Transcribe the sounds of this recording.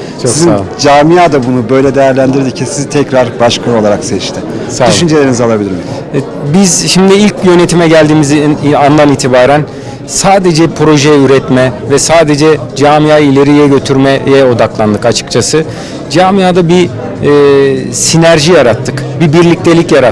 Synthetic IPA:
t͡ʃʰoskisziad͡ʒaːmijaːd̪abunubø̞jlʲɛd̪ejæɾlʲænd̪iɾd̪icʰisizit̪ʰɛcɾaɾbaʃkʰao̞lˠaɾaksɛt͡ʃt̪ʰɪ | sadyʃynd͡ʒelʲe̞ɾinizalˠabilʲiɾim | bizʃimd̪iilʲc̚jø̞ne̞t̪ʰimɛɟælʲd̪iːmizinand̪aniːt̪ʰibaːɾæn | saːd̪e̞d͡ʒɛpʰɾo̞ʒejɛyɾɛt̪mɛvɛsaːd̪e̞d͡ʒɛd͡ʒaːmijaːilʲe̞ɾijɛɟø̞t̪ʰyɾmejɛo̞d̪aklˠand̪ɯkat͡ʃʰɯ̥kt͡ʃʰasɯ | d͡ʒaːmijaːd̪abiː | sinæɾʒijaɾat̪ʰːɯkbibiɾlʲic̚t̪ʰe̞lʲicjaɾa

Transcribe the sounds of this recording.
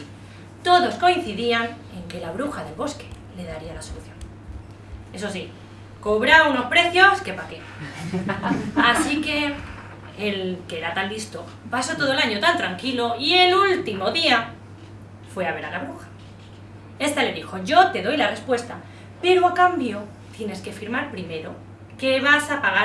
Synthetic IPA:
t̪o̞ðo̞sko̞in̟θiðian | e̞ŋke̞laβ̞ɾuxaðe̞lβo̞ske̞̥ | le̞ðaɾialaso̞luθjo̞n | e̞sosi | koβɾauno̞spɾe̞θjo̞ske̞pake | asike̞ | elkeeɾat̪ald̪ist̪o | paso̞t̪o̞ð̞oelaɲo̞t̪ant̪ɾaŋkilo̞ie̞lult̪imo̞ðia | fwe̞aβ̞e̞ɾalaβɾoxḁ | e̞st̪ale̞ðixo̞ʝo̞t̪e̞ðo̞jlare̞spwe̞st̪a | pe̞ɾoakambjo̞ | t̪je̞ne̞ske̞fiɾmaɾpɾime̞ɾo̞ | ke̞βasapaɣa

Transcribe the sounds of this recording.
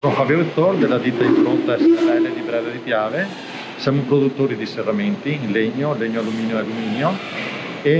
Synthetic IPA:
ofabjoɾet̪ːoɾd̪elːad̪it̪ːaiɱfɾont̪aɛst̪ɾɛled̪ipɾɛːd̪ad̪ipjaːve | sjamopɾod̪ut̪ːoːɾid̪iserːament̪ileɲːoleɲːoalumiːnjoealːumiːnjo | e

